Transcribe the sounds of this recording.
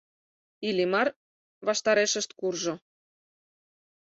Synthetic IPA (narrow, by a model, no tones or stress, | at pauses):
ilʲimɑr | βɑʃt̪ɑɾeʃə̆ʃt̪̚kurʒŏ